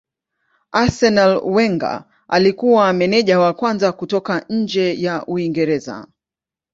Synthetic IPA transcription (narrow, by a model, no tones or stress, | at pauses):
asɛnalwɛŋɡa̰ | alikuwamɛnɛʄawakwanzakutɔkaɲ̩d͡ʒɛjaʔuiŋɡɛɾɛza̰